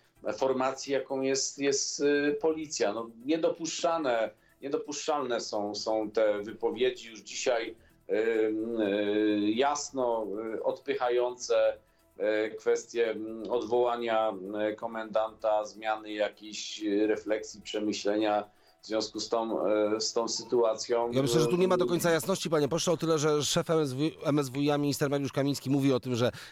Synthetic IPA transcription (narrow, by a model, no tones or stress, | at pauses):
fɔɾmat̪sʲjijakɔ̃w̃jɛst̪jɛst̪pɔlʲit̪sʲjanɔɲɛd̪ɔpuʂt͡ʂanɛ | ɲɛd̪ɔpuʂt͡ʂalnɛsɔ̃w̃sɔ̃w̃t̪ɛvɘpɔvʲjed͡ʑijuʐd͡ʑiɕaj | jasnɔɔt̪pɘxajɔnt̪sɛ | kfɛst̪ʲjɛɔd̪vɔwaɲakɔmɛnd̪ant̪azmʲjanɘjakʲeɕɾɛflɛksʲjipʂɛmɘɕlɛɲa | vz̥vʲjɔ̃w̃skust̪ɔ̃w̃st̪ɔ̃w̃sɘt̪uat̪sʲjɔ̃w̃jamɘɕlɛʐɛt̪uɲɛmad̪ɔkɔɲʲnt̪sajasnɔɕt͡ɕipaɲɛpɔʂawt̪ɘlɛʐɛʂɛfɛzɛmɛzvujamʲiɲist̪ɛɾmaɾjuʂkamʲĩɲ̃skʲimuvʲiɔt̪ɘmʐɛ